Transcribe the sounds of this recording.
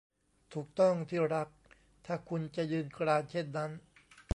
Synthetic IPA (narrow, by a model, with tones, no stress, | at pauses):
t̪ʰuː˨˩k̚t̪ɔ˥˩ŋt̪ʰiː˥˩ɾa˦˥k̚ | t̪ʰaː˥˩kʰu˧nt͡ɕa˨˩jɯː˧nkɾaː˧nt͡ɕʰe˥˩nːa˦˥n